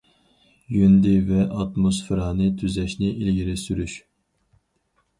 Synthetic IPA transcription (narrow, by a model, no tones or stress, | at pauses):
jynd̪ɪvɛʔɑt̪mosfɨɾɑːnɨt̪ʰyzɛʃnɪʔilɡʲiɾɪsyɾyʃ